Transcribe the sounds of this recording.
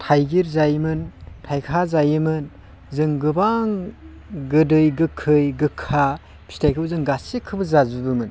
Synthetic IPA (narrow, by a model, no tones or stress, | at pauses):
tʰajɡiɾzajmɯntʰajkʰazajɯmɯn | zɯŋɡɯbaŋ | ɡɯdɯjɡɯkʰːɯjɡɯkʰːa | b̥ʰi̥stʰajkʰɯbzɯŋɡasekʰɯbɯzazubɯmɯn